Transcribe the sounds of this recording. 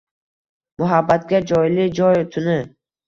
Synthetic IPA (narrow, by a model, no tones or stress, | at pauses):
mʊɦabːat̪̚ɡʲad͡ʒɒjlɪd͡ʒɒjt̪ʰʊnɪ